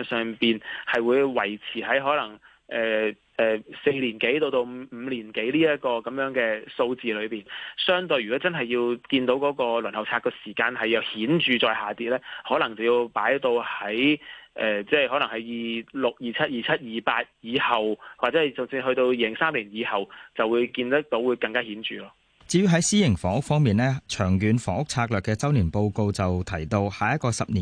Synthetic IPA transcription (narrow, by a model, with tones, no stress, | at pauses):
nsœː˨ŋpiː˨nhɐ˨jwuː˨˧jwɐ˨˩jt͡sʰiː˨˩hɐ˨˥jɦɔː˨˥lɐ˨˩ŋ | ʔɛː˨ | ʔɛː˨se˧jliː˨˩nke˨˥jt̪o˧wt̪o˧wm̩˨˧m̩ː˨˧liː˨˩nke˨˥jliː˥jɐ˥t̚kɔː˧kɐ˨˥mjœː˨˥ŋkɛː˧so˧wt͡siː˨lɵ˨˧ɥpiː˨nsœː˥ŋt̪ɵ˧jɥyː˨˩kɔ˨˥t͡sɐ˥nɦɐ˨jːiː˧wkiː˧nt̪o˨˥wkɔː˨˥kɔː˧lɵ˨˩nhɐ˨˩wt͡sʰaː˧kɔː˧siː˨˩kaː˧nhɐ˨jjɐ˨˧whiː˨˥nt͡ʃyː˨t͡sɔː˨˧jɦaː˨˩t̪iː˧t̚lɛː˥hɔː˨˥lɐ˨˩ŋt͡sɐ˨˩wjiː˧wpaː˨˥jt̪o˧whɐ˨˥jʔɛː˨t͡sɛː˥˩hɔ˨˥lɐ˨˩ŋhɐ˨˥jjiː˨lʊ˨k̚jiː˨˧t͡sʰɐ˥t̚jiː˨˩t͡sʰɐ˥t̚jiː˨˩paː˧t̚jiː˨˧hɐ˨wwaː˨˩t͡sɛ˨˥˨t͡sʊ˨˩ŋsiː˧nhɵ˧t̪o˧wjiː˨˧lɪ˨˩ŋsaː˥mliː˨˩njiː˨˧hɐ˨wt͡sɐ˨wuː˨˧jkiː˧nt̪ɐ˥k̚t̪o˨˧˥wuː˨˧jkɐ˧ŋkaː˥hiː˨˥nt͡ʃyː˨lɔː˧ | t͡siː˨˥jy˧ɦɐ˨˥jsiː˥jɪ˨˩ŋfɔː˨˥ŋʊ˥k̚fɔː˥ŋmiː˨nlɛː˥t͡ʃʰœː˨˩ŋjyː˨˧nfɔ̰ː˨˥ŋʊ˥k̚t͡sʰaː˧k̚lœː˨kːɛː˧t͡sɐ˥wniː˨˩npo˧wko˧wt͡sɐ˨wt̪ʰɐ˨˩jt̪o˧whaː˨jɐ˥t̚kɔː˧sɐ˨p̚niː˨